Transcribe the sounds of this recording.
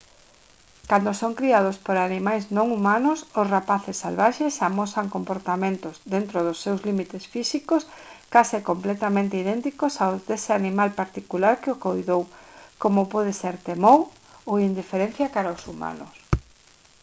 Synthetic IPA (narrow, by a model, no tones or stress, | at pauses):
kand̪osoŋkɾiað̞ospoɾanimajznõŋumãnʊsʊsrapaθɪsːalβaʃesamosaŋkompoɾt̪amẽnt̪ʊzðent̪ɾoðʊsːewzlimit̪esfisikoskasɪkomplɛt̪amẽnt̪eiðent̪ikosawzðesɪanimalpaɾt̪ikulaɾkɪokojðowkomopɔðeseɾt̪emow | owind̪ifeɾẽn̟θjakaɾaʊsuma̰nʊ̰s